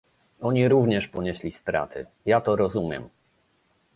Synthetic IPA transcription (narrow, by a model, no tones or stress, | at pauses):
ɔɲiɾuvɲɛʂpɔɲɛɕlʲist̪ɾa̰t̪ʰɘ̰ | jat̪ɔɾɔzumʲjɛ̰m